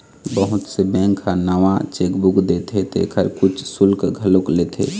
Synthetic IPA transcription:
bəɦʊt̪sebɛ̃ːŋkanəʋat͡ʃeːkbukd̪et̪et̪ʰḛkʰəɾkʊt͡ʃʰsʊlkɡʱəloklet̪ʰḛ

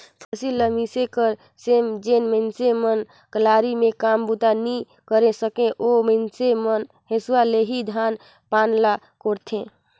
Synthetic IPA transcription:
pʰəsiləmisekəɾ | semd͡ʒenmensemən | kəlaɾimẽkambut̪ani | kəɾesəkẽʔomənsemən | ɦesuwaleɦid̪ʱan | panla | koɾt̪ʰẽ

